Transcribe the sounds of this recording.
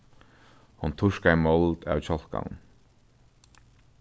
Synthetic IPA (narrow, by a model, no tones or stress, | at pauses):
hunt̪ʰʊʂkaimɔlt̪a̰wt͡ɕʰɔl̥ka̰nn